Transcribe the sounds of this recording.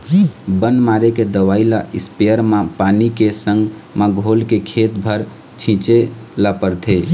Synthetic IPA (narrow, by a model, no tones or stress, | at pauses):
bənmaɾeked̪əwailaʔispejəɾmapanikesəŋɡ | məɡʱolkekʰet̪bʱəɾ | t͡ʃʰĩt͡ʃelapəɾt̪ʰe